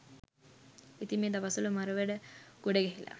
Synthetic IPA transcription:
it̪imeːd̪aʋɐsulumaɾəʋeɖəɡ̥oɖeɡeɦilɐ̰

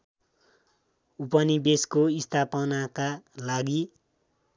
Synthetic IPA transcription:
upʌnibeskoist̪ʰapʌnakalaɡi

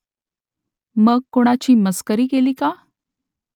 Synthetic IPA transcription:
məɡ̚koɽ̃at͡ɕiːməskəɾiːɡeliːka

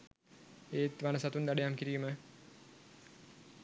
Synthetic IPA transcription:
eːt̪ʋanəsat̪und̪aɖejamkiɾiːmə

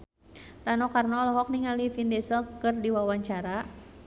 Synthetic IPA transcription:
ranɔkarnɔlɔɦɔk̚niŋalifindɛsəlkɨrdiwawaɲt͡ʃaɾa

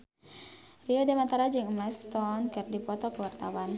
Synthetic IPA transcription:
riɔdemat̪aɾad͡ʒɨŋmɛst̪ɔnkɨrdipɔt̪ɔkəwart̪a̰wan

